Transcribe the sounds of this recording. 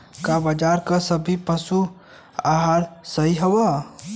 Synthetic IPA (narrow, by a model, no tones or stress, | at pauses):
kabad͡ʒaːɾkasəbʱipəsu | aɦaːɾsəɦiɦɐwa